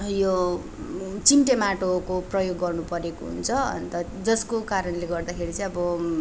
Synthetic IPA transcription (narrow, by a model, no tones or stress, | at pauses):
jo | t͡simʈemaʈokoprʌjoɡːʌrnupʌɾeko̰ɦṵnt͡sʰʌʌ̰nt̪ʌ | d͡zʌskokaɾʌnleɡʌrd̪akʰeɾit͡sʌ̃j̃ʌbʌ